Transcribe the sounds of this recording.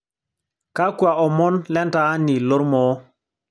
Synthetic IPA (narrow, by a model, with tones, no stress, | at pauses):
ka˦kwa˨ʔɔ˨mɔ˦nlɛ˦ntaː˦ni˨lo˦ɾmɔ˦